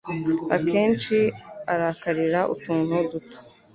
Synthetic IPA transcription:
a̰keːnt͡ʃiaɾakaɾiɾaʔṵtuːn̥uduto̥

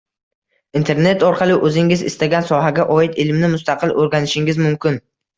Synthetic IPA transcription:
int̪ʰe̞ɾne̞t̪ɒɾqʰɑlˠɪʔɵzɪŋɪzɪ̰st̪aɡʲansɒɦaɡʲaʔɒɪt̪ɪlmnɪmʊst̪ʰɑqʰɨlʔoɾɡʲanɪʃɪŋɪzmʊmkʲɪn

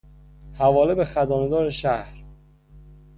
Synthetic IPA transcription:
hævɒːlebexæzɒːned̪ɒːɾeʃæhɾ

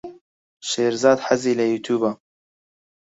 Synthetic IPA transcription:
ʃeːɾzɑːd̪ħaziːlɐjuːt̪ʰuːbaː

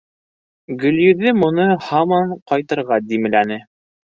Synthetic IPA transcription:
ɡɵ̆ljɵ̆ðɘmŭnɤhɑmɑɴqɑjt̪ɤ̆ɾʁɑd̪imɘ̆lænɘ

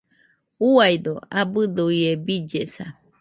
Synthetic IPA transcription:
uajd̪oabɨd̪oiebid͡ʒesa

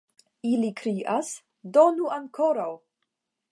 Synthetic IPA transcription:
ilikɾiʔas | donuaŋkʰoɾaw

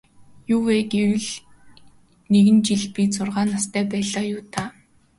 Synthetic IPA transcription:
juːweːɡewɘ̆ɮ | neɣɘ̆nt͡ɕiɮpit͡sʊrʁaːnast̪ʰæːpæːɮaːjʊːt̪ʰaː

